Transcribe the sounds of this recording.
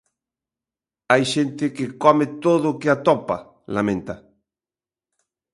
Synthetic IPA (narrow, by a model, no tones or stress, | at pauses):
ajʃent̪ɪkekɔmet̪oðʊkeat̪ɔpa̰ | lamẽnt̪a